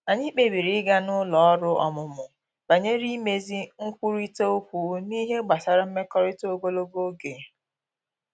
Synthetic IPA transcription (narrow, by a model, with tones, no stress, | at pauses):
a˨ɲi˦k͡pe˦˨bi˨ɾi˨˦ɪ˦ɡa˦nʊ˦lɔ˨ɔ˦ɾʊ˦ɔ̰˨mʊ˨mʊ˨ | b̥a˨ɲe˦ɾi˦me˦zi˦ŋ̩˦kʷu˦ɾi˦te˦o˦kʷu˨˦ni˦ɦe˦ɡ͡ba˨sa˨ɾa˦m̩˦me˦kɔ˦ɾɪ˦to˦ɡo˦lo˦ɡo˦ɡe˨